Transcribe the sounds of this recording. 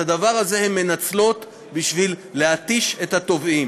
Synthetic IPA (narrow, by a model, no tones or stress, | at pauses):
adavaʁaze̞hemːe̞nat͡slo̞t̪ | biʃvilːehat̪iʃe̞thato̞vim